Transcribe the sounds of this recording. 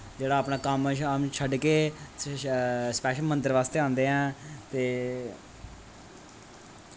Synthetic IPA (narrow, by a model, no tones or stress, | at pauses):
d͡ʒeːɽaːpnaːkəmmt͡ʃʰəɖkeː | spɛːʃəlmə̃nt̪əɾʋaːst̪eːãːnd̪eːɦɛ̃ːt̪eː